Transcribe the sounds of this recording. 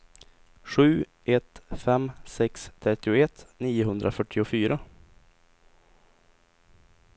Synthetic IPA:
ɧʉ̟ː | ɛt̪fɛmsɛkst̪ʰɾɛt̪ːɪʊɛt̪ːniːʊɦɵnd̪ɾafœʈʰːɪʊfyːɾa

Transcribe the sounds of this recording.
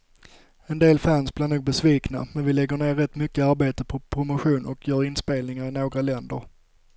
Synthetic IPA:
ɛnd̪eːlfænsblɪɾɳuːɡ̚bɛsviːknamɛnvɪlɛɡːəɳeːɾɾɛt̪ːmʏkːəaɾbeːt̪əpʰɔpʰɾʊmʊɧuːnʔɔkʰjœːɾɪnspeːlnɪŋaɾɪnoːɡɾalɛnd̪əɾ

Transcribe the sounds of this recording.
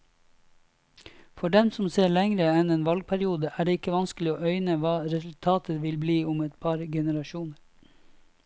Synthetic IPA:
fɔɖɛmsɔmseːɭɛŋɾəɛneːnʋɑlɡ̚pʰæɾɪuːd̪əʔæːɖeːɪkəʋɑnsklɪoːœʏnəʋɑːɾɛsʉl̩t̪ʰɑːt̪əʋɪlbliːʊmɛt̪pʰɑɾɡɛnəɾɑʃuːnəɾ

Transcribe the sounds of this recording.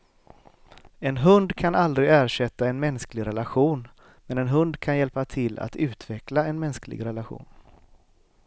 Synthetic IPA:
ɛnɦɵnd̪kʰanald̪ɾɪæːɾʂɛt̪ːaɛnmɛnsklɪɡɾɛlaɧuːn | mɛnɛnɦɵnd̪kʰanjɛlpat̪ʰɪlːa̰t̪ʉ̟ːt̪ʰvɛklaɛnmɛnsklɪ̰ɡɾɛlaɧṵːn

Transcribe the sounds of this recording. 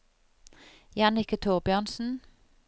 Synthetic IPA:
jɑnɪkət̪ʰuːʁbjøːʁnsn̩

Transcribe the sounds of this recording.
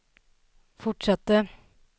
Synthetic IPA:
fɔʈʂɑt̪ːə

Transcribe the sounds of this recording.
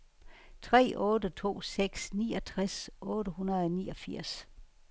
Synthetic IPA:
t͡sʰʁɛ̰ːʔɔːdət͡sʰo̝̰ːseɡ̥snḭːɒt͡sʰʁasɔ̽ːɾəhunɐðˠnḭːɒ̽fiɐ̰s

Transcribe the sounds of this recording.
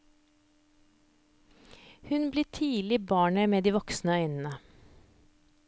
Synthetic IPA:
hʉnbliːt̪ʰiːlɪbɑːɳəmeːd̪iːʋɔksnəœʏnn̩ə

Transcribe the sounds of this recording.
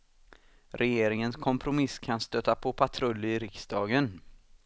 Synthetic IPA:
ɾʔɛjeːɾɪŋənskʰɔmpʰɾʊmɪskʰanst̪øːt̪ːapʰopʰat̪ʰɾɵlːɪɾɪksd̪ɑːɡən

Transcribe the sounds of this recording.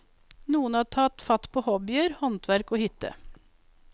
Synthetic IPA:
nuːənɑːt̪ʰɑːt̪fɑt̪pʰoːhɔbɪəɾhɔnt̪ʰʋæɾkoːhʏt̪ə̰

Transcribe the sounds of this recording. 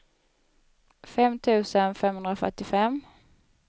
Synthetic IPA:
fɛmt̪ʰʉ̟ːsənfɛmhɵnd̪ɾafœ̰ʈːɪfɛm

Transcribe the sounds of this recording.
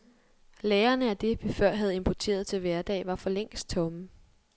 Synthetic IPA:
leːɐnəæd̥e̝ʋifɶɐ̰ɦæð̞̩ˠe̝mpʰɒt͡sʰe̝̰ːɐðˠt͡sʰe̝lʋæɐd̥ɛ̰ːʋɑ̈fɒ̽leŋ̰sd̥̚t͡sʰɔ̽mə

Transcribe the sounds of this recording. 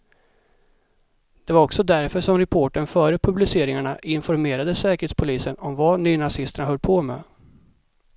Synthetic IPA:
d̪̥ɛvaɾɔksɔd̪æɾfœʂɔmɾɛpʰoːʈəɳfœːɾəpʰɵblɪseːɾɪŋaɳaʔɪnfɔɾmeːɾad̪əsɛːkəɾhet̪spʰʊliːsənɔmvanyːnasɪst̪əɳaɦœlːpʰɔmɛ̰ː

